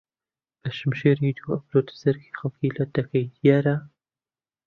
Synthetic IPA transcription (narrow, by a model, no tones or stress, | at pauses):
b̥ɐʃɨmʃeːɾiːd̪uːɐpɾoːt̪ɨ̥sɐɾkʰi̥xɐlˠkilɐd̪ɐkʰɐjd̪ijaːɾɐ